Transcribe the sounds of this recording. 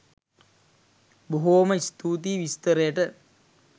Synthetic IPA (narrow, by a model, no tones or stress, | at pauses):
boɦoːməist̪uːt̪iːʋist̪əɾəjəʈə